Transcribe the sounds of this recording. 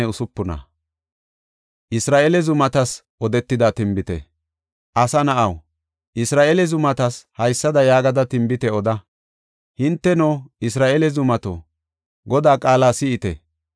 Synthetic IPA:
ɛʊsʊpːʊnɐ̰ | ʔɪsɾaːʔɛlɛzʊmɐt̪ɐs | ʔɔd̪ɛt̪ːɪd̪at̪ɪmbɪt̪ɛ̰ | ʔɐsɐnɐʔɐw | ʔɪsɾaːʔelɛzʊmɐt̪ɐshɐjsːɐd̪ɐjaːɡɐd̪ɐt̪ɪmbɪt̪ɛɔd̪ɐ | hɪnt̪ːɛnoːɪsɾaːʔelɛzʊmɐt̪o̰ː | ɡɔd̪aːkʼaːlaːsɪɪt̪ɛ̰

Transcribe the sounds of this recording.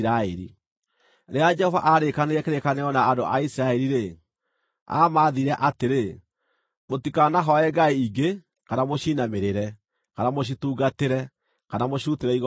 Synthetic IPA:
ɾaeɾḭ | ɾead͡ʒɛhɔva̰ʔaɾekaneɾɛkeɾekaneɔnaːdoʔaisiɾaɛɾiɾe | a̰maːðiɾɛʔateɾe | motikanaɦɔɛɡaeiɡe | kanamoɕiːnameɾeɾɛ | kanamoɕ̬ituːɡateɾɛ | kanamoɕuteɾɛiɣ

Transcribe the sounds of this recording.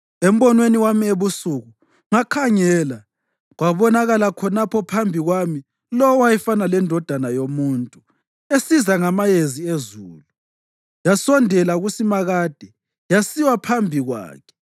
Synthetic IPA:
em̩βɔnweniwamieβusuɣu | ŋakʰaŋɛːla | ɣwaβɔnaɣalakʰɔnapʰɔpʰambʱiɣwami | lɔwajɛfanalɛndʱɔd̥ʱanajomuntʼu | esizaŋamajeziezuːlu | jasɔndʱɛlaɣusimaɣad̥ʱɛ | jasiwapʰambʱiɣwa̰ːkʰɛ̥

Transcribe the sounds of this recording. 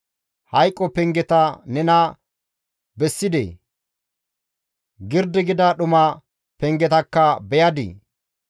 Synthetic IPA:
hɐjkʼːɔpɛŋɡɛt̪ɐnɛnɐ | bɛsːɪd̪ḛː | ɡɪɾd̪ɪɡɪd̪ɐɗʊmɐ | pɛŋɡɛt̪ɐkːɐbɛjɐd̪ḭː

